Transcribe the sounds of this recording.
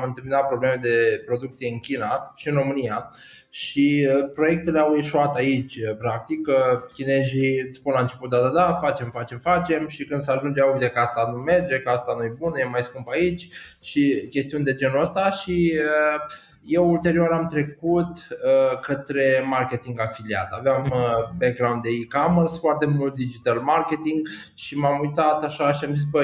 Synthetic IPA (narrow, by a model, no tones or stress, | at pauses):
mɨnt̪ɨlminat̪̚pɾo̞ble̞med̪e̞pɾo̞d̪uk̚t̪sije̞ɨnkʲinaʃiɨnɾo̞mɨnija | ʃiəpɾo̞je̞k̚t̪e̞leawjeʃuat̪ait͡ʃʲəpɾak̚t̪ikəkʲine̞ʒiɨt̪sʲspunlaɨnt͡ʃe̞put̪̚d̪ad̪ad̪afat͡ʃe̞mfat͡ʃe̞mfat͡ʃe̞mʃikɨnd̪səaʒund͡ʒeauɡd̪ekəast̪anume̞rd͡ʒe̞kəast̪anujebunəje̞majskumpait͡ʃʲ | ʃikʲe̞st̪iund̪e̞d͡ʒe̞nuəst̪aʃiə | je̞wult̪e̞ɾioɾamt̪ɾe̞kut̪əkət̪ɾe̞markʲe̞t̪iŋɡafilia̰t̪aveaməbeɡɾawnt̪d̪eikamərsfoart̪e̞mult̪̚d̪id͡ʒit̪almarkʲe̞t̪iŋɡ | ʃimamujt̪at̪aʃaʃiamzisbə